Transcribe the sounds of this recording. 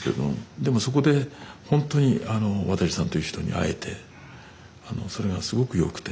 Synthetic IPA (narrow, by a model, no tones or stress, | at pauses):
kḛd̪o̰md̪e̞mo̞so̞ko̞d̪e̞hõ̞nt̪o̞ɲ̟iano̞βat̪aɕʲi̥sãnt̪o̞jiɯ̟çi̥t̪o̞ɲ̟ḭa̰e̞t̪ʰe̞ | ano̞̰so̞ɾe̞ɡasɨɡo̞kɯ̟jo̞̰kɯ̟̥t̪e